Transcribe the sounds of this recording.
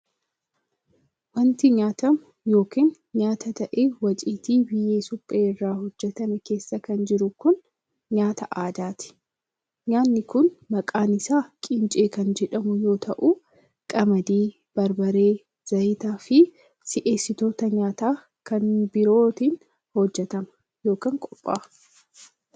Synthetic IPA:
wɐnt̪ɪɲaːt̪ɐm | jo̞ːkiːn | ɲaːt̪ɐt̪ɐʔeːwɐt͡ʃʼiːt̪iːbɪjːeːsʊpʼːeːrːaːhɔd͡ʒːɛt̪ɐnɛke̞ːsːɐkɐnd͡ʒɪɾʊkʊn | ɲaːt̪ɐʔaːd̪aːt̪ɪ̥ | ɲaːnːɪkʊnmɐkʼaːnɪsaːkʼɪnt͡ʃʼeːkɐnd͡ʒɛᶑɐmʊjo̞ːt̪ʰɐʔu | kʼɐmɐd̪iː | b̥ɐɾbɐɾeː | z̥ɐit̪aːfɪ | sɪʔe̞ːsːɪt̪o̞ːt̪ɐɲaːt̪aː | kɐnbɪɾo̞ːt̪iːn | hɔd͡ʒːɛt̪ɐmɐ̥ | jo̞ːkiːŋkʼɔpʼːa̰ː

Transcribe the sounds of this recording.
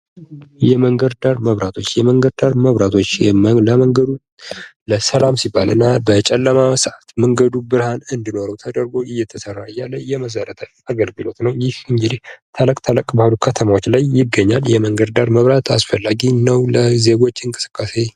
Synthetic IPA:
jɛməŋɡəd̪d̪aɾməβɾat̪ʰo̞t͡ʃːjɛməŋɡəd̪d̪aɾməβɾat̪ʰo̞t͡ʃːləməŋɡəd̪u | ləsəlamsibːalɨnːabət͡ʃʼɛlːəmasəʔat̪məŋɡəd̪ubɨɾhanɨnd̪ino̞ɾəwt̪ʰəd̪əɾɡoʔɪjːɛt̪ʰəsərːaɨjːalːəjɛməs̬əɾət̪ʰə | aɡəlɡɨlo̞t̪nəwjɪhɨŋɡɨd̪iht̪ʰələkʼt̪ʰələkʼbahalukʰət̪ʰəmawo̞t͡ʃːlajːɪɡːəɲːaljɛməŋɡəd̪d̪aɾməβɾat̪ʰasfəlːaɡinəwləze̞ɡo̞t͡ʃːɨŋkʼɨsɨ̥kʼːase̞

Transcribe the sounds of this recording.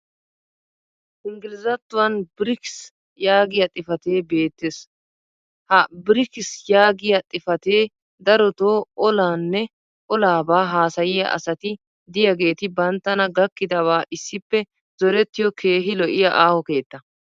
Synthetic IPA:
ʔɪŋɡɪlɪzɐt̪ːʊwɐnbɪɾɪks | jaːɡɪjɐt̪ʼɪfɐt̪e̞ːbe̞ːt̪ːes | hɐbɪɾɪkɪsjaːɡɪjɐt̪ʼɪfɐt̪eː | d̪ɐɾɔt̪oːʔɔlaːnːɛ | ʔɔlaːbaːɦaːsɐjɪjɐ̰ʔɐ̰sɐt̪ɪ | d̪ɪjɐɡe̞ːt̪ɪbɐnt̪ːɐnɐɡɐkːɪd̪ɐβaːʔɪsːɪpːɛ | zɔɾɛt̪ːɪjɔkʰeːɦɪlɔʔɪjɐʔaːhɔke̞ːt̪ːɐ

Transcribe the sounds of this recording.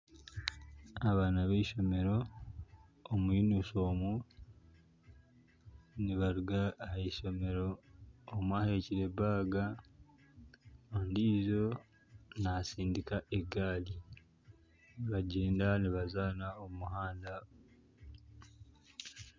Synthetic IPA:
aβaːnaβeʃo̞me̞ɾo̞ | mwiːnuso̞ːmu | niβaɾuɡaːeʃo̞me̞ɾo̞ːmwaːhe̞ciɾe̞baːɡa | ondiːzo̞ | nasiːndikaʔeɡaːli | niβaɟeːndaniβazaːnaomumuhaːnda

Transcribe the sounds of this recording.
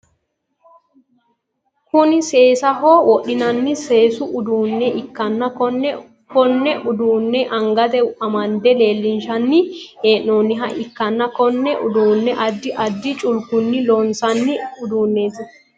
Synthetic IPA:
kʊnɪse̞ːsɐɦoːwɔɗɪnɐnːɪse̞ːsʊʔʊd̪uːnːɛʔɪkːɐnːɐɔn | kɔnːɛʔʊd̪uːnːɛʔɐŋɡɐt̪ɛɐmɐnd̪ɛle̞ːlːɪnʃɐnːɪeːʔnoːnːɪɦɐʔɪkːɐnːɐkɔnːɛʔʊ̰d̪uːnːɛʔɐd̪ːɪʔɐd̪ːɪt͡ʃʼʊlkʊnːɪloːnsɐnːɪʊd̪uːnːe̞ːt̪ɪ

